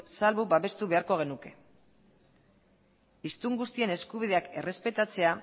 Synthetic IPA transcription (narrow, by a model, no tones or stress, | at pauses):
salβubaβe̞st̪uβe̞aɾko̞ɣ̞e̞nuke̞ | ist̪uŋɡust̪ie̞ne̞skuβ̞ið̞e̞ake̞̰re̞spe̞t̪at͡se̞a